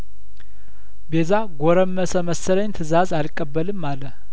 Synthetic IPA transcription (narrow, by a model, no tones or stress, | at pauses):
bezaɡoɾəmːəsəməsələɲt̪ʰɨzazalkʼːəbːəlɨmːalə